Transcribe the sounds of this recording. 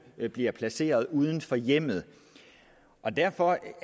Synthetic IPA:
b̥liɐpʰlæse̝̰ːɐð̞ˠuːð̞ˠn̩fɒ̽jem̰ð̞̩ˠ | ʔɒ̽d̥æɐ̰fɒ̽

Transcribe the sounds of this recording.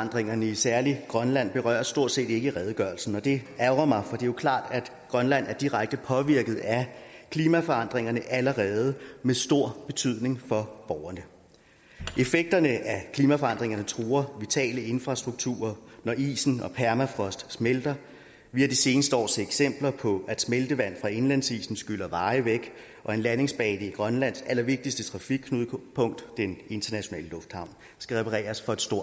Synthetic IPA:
ɑn̰d̥ʁeŋɐnəisæɐliɡ̥ʁɶnlæn̰b̥e̝ʁɶ̰ːɐsd̥o̝ɐ̰d̥se̝̰ːd̥e̝ɡ̥əʁɛð̞ˠɡ̥ɶɐl̩sn̩ɒ̽d̥e̝æʊʁɐmɑ̈ɪfɒ̽d̥e̝jokʰlɑ̰̈ːd̥æd̥ | ɡ̥ʁɶnlæn̰æɐd̥iʁaɡ̥̚d̥əpʰɒ̽ʋiɐɡ̥əð̩ˠækʰliːmæfɒ̽ɑ̈n̰d̥ʁeŋɐnəʔæləʁɛːð̞̩ˠəmesd̥o̝ɐ̰b̥e̝t͡sʰyð̰ˠne̝ŋfɒ̽b̥ɒʊɐnə | ʔe̝feɡ̥̚d̥ɐnəʔækʰliːmæfɒ̽ɑ̈n̰d̥ʁeŋɐnət͡sʰʁuːɐʋit͡sʰɛ̰ːləe̝nfʁɑ̈sd̥ʁuɡ̥̚t͡sʰṵːɐnɒʔḭːsn̩ɒ̽pʰæɐmæfʁɒ̽sd̥smeld̥ɐ | ʋiːæd̥ise̝ːnəsd̥əɒ̰ːseɡ̥sem̰b̥lɐpʰɒ̽æd̥smeld̥əʋæn̰fʁɑ̈e̝nlænsḭːsn̩sɡ̥yl̰ɐʋɑ̈ːɪʋeɡ̥ | ʔɒ̽e̝nlæne̝ŋsb̥ɛːd̥əiɡ̥ʁɶnlæn̰sæl̰ɐʋe̝ɡ̥̚d̥isd̥ət͡sʰʁɑ̈fiɡ̥̚kʰːnuðˠpʰɔ̽ŋ̰d̥ːene̝nt͡sʰɐnæɕo̝nɛ̰ːləlɔ̽fd̥hɑ̈ʊ̰n | sɡ̥æʁɛpʰɑʁɛ̰ːɐsfɒ̽e̝d̥sd̥o̝ɐ̰

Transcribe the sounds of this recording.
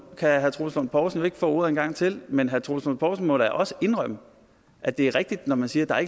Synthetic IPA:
kʰæɦæɐt͡sʰʁo̝̰slonpʰɒːsn̩jo̝e̝ɡ̥ə̥fɔ̰̽ːoɐ̰ð̩ˠenɡ̥ɑ̈ŋ̰t͡sʰe̝lmenɦæɐt͡sʰʁo̝slon̩ˠpʰɒːsn̩mɒ̽ɾ̥ɑ̈ʔɒ̽səe̝nʁɶm̰ə | ʔæd̥e̝æɐʁɛɡ̥̚d̥id̥nɒmænsiːɐd̥ɑ̈æɐe̥

